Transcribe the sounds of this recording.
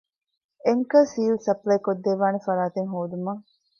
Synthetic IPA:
eŋkɐsiːlsɐplɐjkod̪ːeːʋaːnefɐɾaːt̪eŋɦoːd̪umɐŋ

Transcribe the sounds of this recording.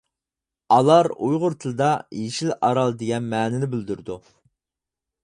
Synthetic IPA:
ɑlˠɑɾṵjʁʊɾt̪ʰɨlˠɨd̪ɑjeʃilʔɑ̰ɾɑlˠd̪eɡʲɛnmɛːnɪnɪbɪld̪yɾd̪u

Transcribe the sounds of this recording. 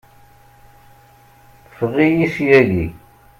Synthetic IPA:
θə̥fʁijisjæʝi

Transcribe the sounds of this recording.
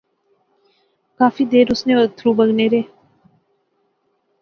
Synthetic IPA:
kaːfiːd̪eːɾʊsnẽːət̪ʰɾuːbəɡneːɾeː

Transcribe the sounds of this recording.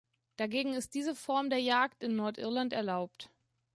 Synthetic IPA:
d̥aɡeːɡŋ̩ɪst̚d̥iːzəfɔɐmdeːɐjaːktɪnːɔɐtʔɪ̰ɐlantɛɐlaʊp̚t

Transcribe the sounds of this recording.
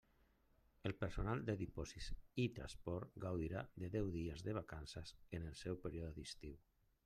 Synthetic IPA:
əlˠpəɾsonalˠd̪əðipɔzisit̪ɾa̰spɔɾt̪ɡawðiɾaðəðɛwðiəzðəβ̞akansasənəlˠsɛwpəɾiɔðəðist̪iw

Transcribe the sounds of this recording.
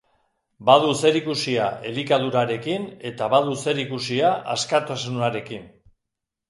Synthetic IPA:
baðuse̞ɾikusiaʔe̞likaðuɾaɾe̞kine̞t̪aβaðuse̞ɾikusiaʔa̰skat̪asunuaɾe̞kin

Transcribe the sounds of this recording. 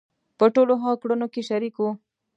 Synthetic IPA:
pəʈoloɦɑ̃kɽunokeʃaɾikwu

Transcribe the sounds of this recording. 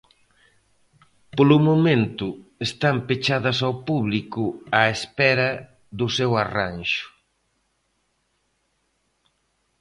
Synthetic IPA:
polʊmomẽnt̪ʊest̪ampet͡ʃaðɐsawpuβlikʊaespɛɾɐ | ðʊsɛwaranʃʊ̥

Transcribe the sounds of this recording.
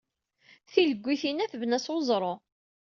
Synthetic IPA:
θiləɡʷːiθinæθvnæswozˤɾˤo

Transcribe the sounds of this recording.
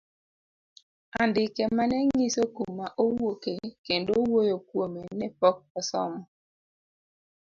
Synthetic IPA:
andɪkɛmanɛŋŋisokumːaʔowokekendowojokwomenɛpɔk̚ɔsɔ̰mɔ

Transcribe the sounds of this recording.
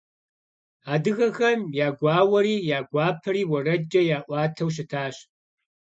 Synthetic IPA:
aːdɨɣɐxɐmjaːɡʷaːwɐɾiːjaːɡʷaːpʰɐɾiːwɐrɐd͡ʒɐjaːʔʷɑːtʰɐwɕ̬ɪtʰaːɕ

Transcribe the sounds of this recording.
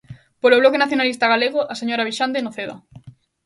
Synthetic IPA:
poloβlokenaθjonalist̪aɣaleɣoʔaseɲoɾaβ̞iʃand̪enoθeða̰

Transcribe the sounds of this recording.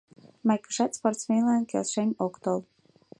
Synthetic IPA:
majkə̥ʃat̪sport̪smʲelˠankʲelˠʃenʲokt̪olˠ

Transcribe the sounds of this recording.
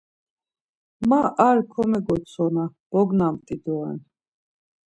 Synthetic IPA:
maʔaɾkʰɔmɛɡɔt̪sʰɔnab̥ɔɡnamt̪ʼid̪ɔɛ̰n

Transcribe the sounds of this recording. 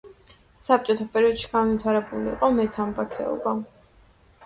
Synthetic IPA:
sap̚t͡ʃʼɔt̪ʰapʼɛɾiɔd̪̥ʃi̥ɡanvit̪ʰaɾɛbuliḭqʼɔmɛt̪ʰambakʰɛ̰ɔ̰ba

